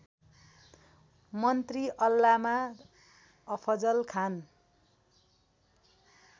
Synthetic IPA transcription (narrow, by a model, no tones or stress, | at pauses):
mʌnt̪riʔʌlːama | ʌpʰʌd͡zʌlkʰan